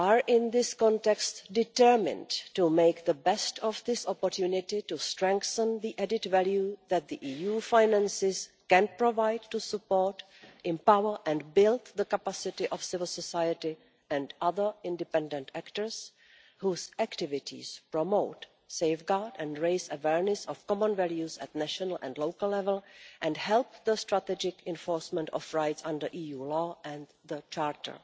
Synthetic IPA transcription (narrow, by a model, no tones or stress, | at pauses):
ʔaɹʔɪ̃nðɪskɔ̃ntɛkstdɪtəɹmɪ̰̃ndtumeɪkðəbɛstɔfðɪsɔpɔɹtjunɪtɪtustɹɛ̃ŋkθə̃nðiʔɛdɪtvæljuðɛt̪̚ðiʔiːjuːfajnæ̃nsɪskɛ̃npɹovajdtusupoɹt | ʔɛ̃mpawəɹʔɛ̃ndbɪlt̪ðəkapasɪtɪʔɔfsɪvɪl̩ˠsɔsajətɪ | ɛ̃ndaðə˞ɪ̃ndɪpɛ̃ndɛ̃ntæktə˞s | huːsʔæktɪvɪtʰɪ̰spɹɔmowt | sejfɡaɹdɛ̃ndɹeɪsəvɛɹnɛsɔfkɔmə̃nvɛljusɛtnæʃɔnəlʔɛ̰̃ndlowkəl̩lɛvɛl̩ˠʔɛ̃ndhɛlp̚ðəstɹatɛd͡ʒɪkɛ̃nfɔːɹsmɛ̃ntɔfɹajtsãndə˞ʔiːjuːlɔːʔɛ̃nd | ðət͡ʃaːɹtʰə̰˞